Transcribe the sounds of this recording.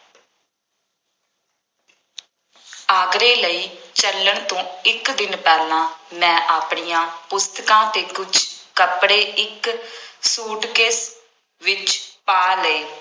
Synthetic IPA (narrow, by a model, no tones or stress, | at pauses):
aːɡɾeːləiːt͡ʃələɳt̪õːɪkd̪ɪnpɛːlãːmɛ̃ːʔaːpɳiːjãːpʊst̪əkãːt̪eːkʊt͡ʃʰkəpɽeːʔɪksuːʈkeːs | ʋɪt͡ʃpaːleː